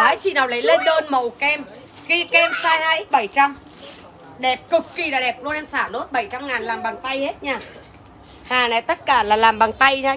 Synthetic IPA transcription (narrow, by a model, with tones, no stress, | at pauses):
aː˨˦t͡ɕḭ˨naː˨˩wlə˨˦jle˧nɗəː˧nmə˨˩wkɛ˧m | ki˧kɛ˧msaː˧jhaː˧jʔi˦˥k̚ɓə˧˩jt͡ɕa˧m | ɗɛ˨˩p̚kɨ˨˩kːi˨˩laː˨˩ɗɛ˨˩p̚no˧nɛ˧msaː˧˩ɗo˦˥t̚ɓə˧˩jt͡ɕa˧mŋaː˨˩nlaː˨˩mɓa˨˩ŋt̪a˧jhe˦˥t̚ɲaː˧˩ | haː˨˩na˨˦jt̪ə˦˥t̚kaː˧˩laː˨˩laː˨˩mɓa˨˩ŋt̪a˧jɲaː˧˩